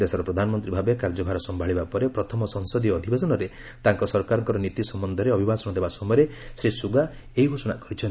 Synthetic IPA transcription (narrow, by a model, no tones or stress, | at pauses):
d̪esɔɾɔpɾɔd̪ʱanɔmɔnt̪ɾibʱabekaɾd͡ʒɔbʱaɾɔsɔmbʱaɭibapɔɾepɾɔt̪ʰɔmɔsɔŋsɔd̪iɔɔd̪ʱibesɔnɔɾe | t̪aŋkɔsɔɾkaɾɔŋkɔɾɔnit̪isɔmbɔnd̪ʱɔɾeɔbʱibasɔnɔd̪ebasɔmɔjɔɾesɾesuɡaeɦiɡʱusɔnakɔɾit͡ʃʰɔnt̪i